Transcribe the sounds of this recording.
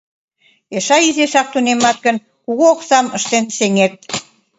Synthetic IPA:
eʃɑizesɑk̚t̪unemɑt̪̚kə̆n | kuɣoːksɑməʃt̪enseŋet̪̚

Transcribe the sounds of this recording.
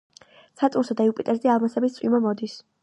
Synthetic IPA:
sʰat̪ʼunsad̪aiupʼit̪ʼɛɾzialˠmansɛbist̪sʼimamɔd̪is

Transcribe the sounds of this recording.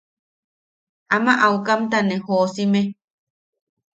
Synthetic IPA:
amaʔaukamt̪anehosime

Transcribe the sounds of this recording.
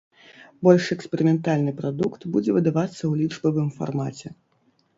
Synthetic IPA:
bɔlʲʂɛkspʲɛɾɨmʲɛnt̪alʲnɨpɾad̪ukt̪bud͡zʲɛvɨd̪avat̪sːɐwlʲid͡ʐbɐvɨmfa̰rma̰t͡sʲɛ

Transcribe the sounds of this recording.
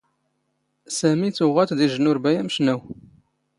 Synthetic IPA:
sæmit͡sːʊʁæt̪d̪iʒənʊɾbæjæməʃnæw

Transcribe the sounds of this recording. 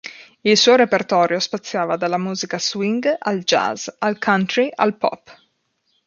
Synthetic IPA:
ilsuːoɾepert̪ɔːɾjospat̪sːjaːvad̪alːamuːzikaswiŋɡald͡ʒa̰zalkʰant̪ɾiʔa̰lpɔ̰pː

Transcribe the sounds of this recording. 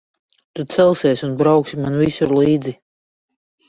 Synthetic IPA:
t̪ut̪sɛlˠsɛɛsʲunbɾawksimanvisuɾliːd̪zi

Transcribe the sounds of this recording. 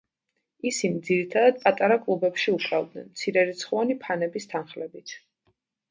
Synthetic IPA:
isimd̪ziɾit̪ʰad̪ad̪̚pʼat̪ʼaɾakʼlˠubɛpʃiukʼɾavd̪̚nɛ̰nmt̪sʰiɾɛɾit̪sʰχanipʰanɛbist̪ʰanχlɛbit̪ʰ

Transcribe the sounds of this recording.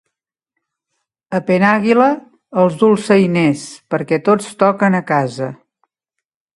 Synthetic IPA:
əpenaɣiləː | lˠzdulˠsəjnɛspəɾkɛt̪ot͡st̪ɔkənəkazə

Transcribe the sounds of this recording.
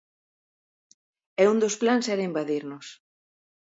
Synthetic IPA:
ɛund̪osplansɛɾɐimbaðiɾnʊs

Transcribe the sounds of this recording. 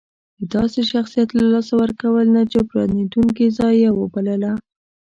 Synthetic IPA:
d̪əd̪ɑseʃaxsijat̪lalɑsawəɾkawəlnat͡ʃepɾɑ̰nid̪uŋkizɑjːewəbaləla

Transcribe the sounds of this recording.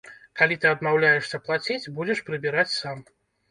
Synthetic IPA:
kalʲit̪ɨɐd̪mawlʲajɛʂsʲɐplˠat͡sʲet͡sʲbud͡zʲɛʂpɾɨbʲiɾat͡sʲsam

